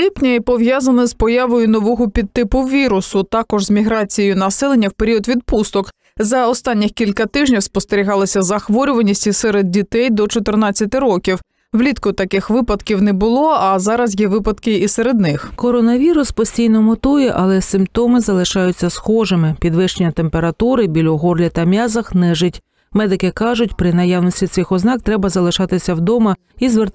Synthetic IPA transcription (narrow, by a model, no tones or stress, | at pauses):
lʲipnʲɐipɔʋjazɐnɪzpɔjɑʋɔjʊnɔʋɔɦɔpʲid̪̚t̪ːɪpʊʋʲiɾʊsʊt̪ɑkɔʒzmʲiɦɾɑt͡sʲijejʊnɐsɛlˠenʲːɐwpe̞ɾʲiɔd̪ʋʲid̪̚pust̪ɔk | zɐɔst̪ɑnʲːɪxkʲilʲkɐt̪ɪʒnʲiwspɔst̪eɾʲiɦɑlˠɪsʲɐzɐxʋɔɾʲʊʋɐnʲisʲtʲisɛɾed̪̚ʲdʲit̪ɛjd̪ɔt͡ʃɔt̪ernɑt͡sʲːɐt̪ɪɾɔkʲiw | ʋlʲit̪kʊt̪ɐkɪxʋɪpɐd̪kʲiwnɛbʊlˠɔɐzɑɾɐzjɛʋɪpɐd̪kɪiseɾed̪nɪxkɔɾɔnɐʋʲiɾʊspɔsʲtʲijnɔmɔt̪ujɛʔɐlˠɛsɪmpt̪ɔmɪzɐlˠɪʃɑjʊt͡sʲːɐsxɔʒemɪpʲid̪ʋɪʃt͡ʃenʲːɐt̪e̞mpe̞ɾɐt̪uɾɪbʲilʲɔɦɔrlʲɐt̪ɐmʲɑzɐxnɛʒɪtʲ | mɛd̪ɪkɪkɑʒʊtʲpɾɪnɐjɑwnɔsʲtʲit̪sɪxɔznɑk̚t̪ɾɛbɐzɐlˠɪʃɑt̪ɪsʲɐwd̪ɔmɐ | izʋert̪